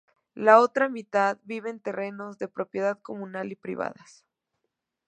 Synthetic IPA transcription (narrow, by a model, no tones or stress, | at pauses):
lao̞t̪ɾamit̪aðbiβe̞ːnt̪e̞re̞no̞zðe̞pɾo̞pje̞ðaðko̞mũnalipɾḭβa̰ðas